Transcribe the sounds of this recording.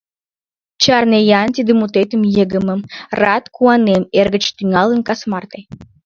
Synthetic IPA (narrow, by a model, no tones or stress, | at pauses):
t͡ʃɑrnejɑnt̪ʲid̪ɨmut̪et̪ə̆mjəɡə̆mə̆mrɑt̪kuɑnemerɡət͡ɕt̪yŋɑlˠə̆nkasmɑrt̪ej